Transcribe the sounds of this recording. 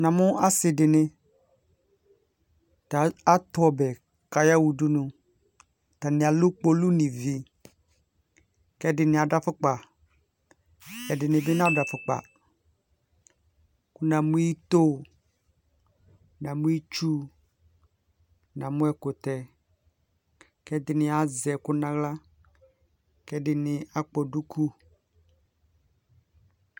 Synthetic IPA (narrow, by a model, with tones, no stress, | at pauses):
nã˨mʊ̃˦ʔa˦sɪ˨dɪ˨nɪ̃˦ | ta˨a˦t̪ʊ˨˦ɔ˨bɛ˨ | ka˦ja˦wu˨du˦nʊ̃˦ | ta˨nɪ̃˨a˨lʊ˦k͡po˦lu˦nĩ˨vi˨ | kɛ˦dɪ˨nɪ̃˨a˨da˦fʊ˦k͡pa˨ | ɛ˨dɪ˨nɪ̃˨bɪ˦nã˦˨da˨fʊ˨k͡pa̰˨ | kʊ˦nã˨mũ˦i˦t̪o˦ | nã˨mũ˦i˦t͡ʃu˦ | nã˨mʊ̃˦ɛ˨kʊ˨t̪ɛ˨ | kɛ˦dɪ˨nɪ˦a˨zɛ˨kʊ˦nã˨ɣla˦ | kɛ˦dɪ˨nɪ̃˨a˨k͡pɔ˨du˦kʰu˦